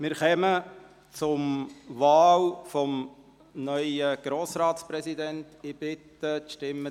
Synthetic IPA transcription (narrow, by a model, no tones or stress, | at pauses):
mɪɾχɛmə | t͡sʊmvɑːlfɔm | nœʏəɡ̥ɾoːsɾɑːtspɾɛsidɛnt̪ɪbɪt̪ətʃtɪmːə